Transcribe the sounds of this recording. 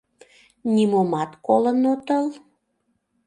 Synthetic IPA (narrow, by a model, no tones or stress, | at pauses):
nʲimumɑt̪kolənut̪əl